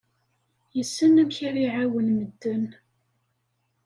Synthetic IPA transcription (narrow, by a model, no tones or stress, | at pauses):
jəsːənæmçiɾiʕawənməd̪ːən